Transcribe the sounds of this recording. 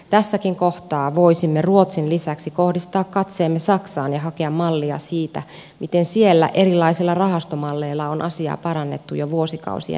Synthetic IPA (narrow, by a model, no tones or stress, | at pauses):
t̪æsːækiŋkoht̪ɑːʋoisimːeruot̪sinlisæksikohdist̪ɑːkkɑt̪seːmːesɑksɑːnjɑhɑkeɑmmɑlːiɑ̰siːt̪æ̰ | mʔit̪ensielːæ̰ʔerilːɑisilːɑrɑhɑst̪omɑlːeilːɑonʔɑsiɑ̰ːpɑɾɑnːet̪ːujoʋuosikɑ̰usḭɑ̰